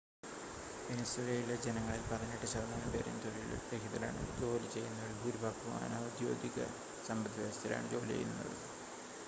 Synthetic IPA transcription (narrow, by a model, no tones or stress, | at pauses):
inɐselɐjiled͡ʑenɐŋːɐɭilpɐrɐɲːiʈːɨɕɐrnɐːɐmpeːɾḛnt̪orɐil̰ɾekʰiðɐla̰ːɳɨ̰d͡ʑo̞ːlit͡ɕe̞jːunːɐʋiɭbʱuːɾubʱaːkːuma̰ːnɐud̪jo̞̰ːd̪iɣɐ̰ | sɐmbɐd̪ːiʋɐst̪ɐla̰ːɳɨd͡ʑo̞ːlit͡ɕḛjːṵnːɐ̰ðɨ̰